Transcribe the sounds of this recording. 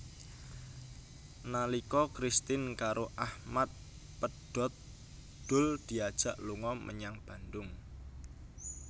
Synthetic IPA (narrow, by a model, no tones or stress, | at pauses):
nalikɔkɾist̪ɪnkaɾʔoʔahmat̪̚ | pəd̥ɔ̤t̪̚ | d̪̥ʊ̤ld̪̥i̤ad̥ʒ̥a̤ʔluŋɔmʔə̰ɲaŋb̥a̤nd̪ʊŋ